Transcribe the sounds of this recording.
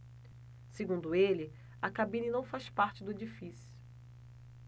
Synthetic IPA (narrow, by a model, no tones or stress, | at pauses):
seɡũnd̪ʊelɪ | ɐkabĩninɐ̃w̃faspaɾt͡ʃɪd̪ʊed͡ʒifisjʊ̥